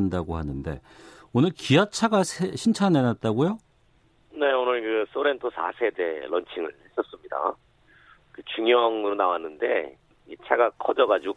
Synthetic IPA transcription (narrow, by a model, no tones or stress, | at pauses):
ndaɡoɦanɯnde̞̰ | onɯɭkijat͡ɕʰaɡasʰeɕʰint͡ɕʰanenat̚t͈aɡojo | ne̞onɯɭkɯs͈oɾe̞ntʰosʰa̰sʰe̞de̞̰ɾʌnt͡ɕʰiŋɯɭhe̞s͈ʌs͈ɯmɲida̰ | kɯt͡ɕuŋjʌŋɯɾonawanːɯnde̞̰ | it͡ɕʰaɡakʰʌd͡ʑʌɡad͡ʑu